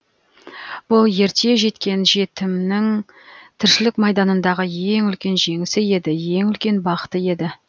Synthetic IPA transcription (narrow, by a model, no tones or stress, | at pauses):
b̥ʊlˠje̞ɾt̪e̞ʒe̞t̪kʲe̞nʒe̞t̪ɪmnɪŋ | t̪ʰɪɾʃɪlɪkmɑjd̪ɑnənd̪ɑʁəje̞ŋʏlkʲe̞nʒe̞ŋɪsɪje̞d̪ɪje̞ŋʏlkʲe̞nbɑqə̥t̪əje̞d̪ɪ